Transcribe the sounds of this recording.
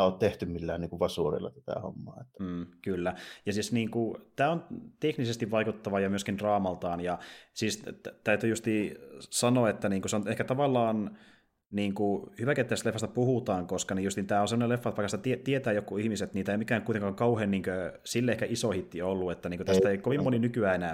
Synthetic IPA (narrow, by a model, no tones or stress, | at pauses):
oːt̪t̪eht̪ymmilːæːniːŋkuʋʋɑsuorḭlːɑ̰t̪æ̥t̪æ̰ˑho̰mːɑːet̪ːæːkylːæjɑsiːsniːŋkut̪æːont̪eknisest̪iʋʋɑikut̪ːɑʋɑjɑmyøskindrɑːmɑlt̪ɑːnjɑsist̪æyt̪yjust̪isɑnoːet̪ːæniːŋkuseonehkæt̪ɑʋɑlːɑːn | niːŋkuhyʋæket̪ːæːst̪lefːɑst̪æpuhut̪ɑːŋkoskɑnijust̪iːnt̪æːonsemːonelefːɑt̪ʋɑikːɑsit̪t̪iet̪iet̪æːjokːuihmiset̪niːt̪æeimikːæːkuit̪ẽŋkɑŋkɑuheːnniːŋkøsilːeehkæʔisohit̪ːiolːuet̪ːæniːŋkøt̪æst̪æeikoʋimmoninykyæːenæ